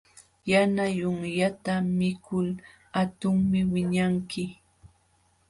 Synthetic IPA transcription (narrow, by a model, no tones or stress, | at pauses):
janajʊŋjat̪amɪkʰʊl | hat̪ʊŋmɪwɪɲaŋkɪ